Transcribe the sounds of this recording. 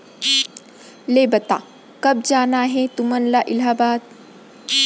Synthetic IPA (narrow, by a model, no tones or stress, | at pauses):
leːbɐt̪a̰ː | kɐb̚d͡ʒaːnaɦɛt̪ʊmɐnlaʔɪlɦaːbaːt̪̚